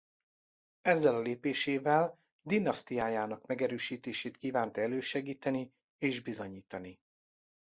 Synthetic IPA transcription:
ɛzːɛlɒleːpeːʃeːvɛl | d̪inːɒst̪ijaːjaːnɒkmɛɡɛɾøːʃiːt̪eːʃeːt̪kiːvaːnt̪ɛløːʃɛɡiːt̪ɛni | eːʒbizo̞ɲiːt̪ɒni

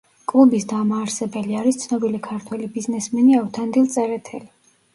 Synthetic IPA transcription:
kʼlˠubisd̪amaːɾsɛbɛliaɾist̪sʰnɔbilikʰaɾt̪ʰwɛlibiznɛsmɛniaut̪ʰand̪ilˠt̪sʼɛɾɛt̪ʰɛli

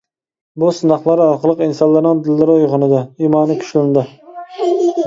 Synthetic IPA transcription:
bʊsɨnɑχlˠɑɾɑqlˠɨqinsɑnlːˠɑɾnɪnd̪ɪlːɪɾojʁʊnɪd̪aimɑnɪkʲʰy̥ʃlɪnd̪ɪ

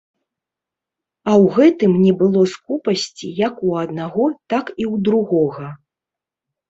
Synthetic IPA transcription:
ɐwɣɛt̪ɨmnʲɛbɨlˠɔskupɐsʲt͡sʲijɐkuɐd̪̚naɣɔt̪akiwd̪ɾuɣɔɣɐ

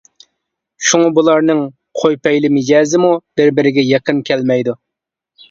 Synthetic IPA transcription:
ʃuŋɑbulˠɑɾnɨŋ | qʰojpɛjlɪmɪd͡ʒɛːzɪmub̥ɪɾbɪɾɪɡʲɛjɛqənkʲʰɛlmɛjd̪u

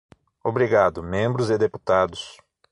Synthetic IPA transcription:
obɾiɡad̪ʊmẽmbɾʊzɪd̪epu̥t̪ad̪ʊs

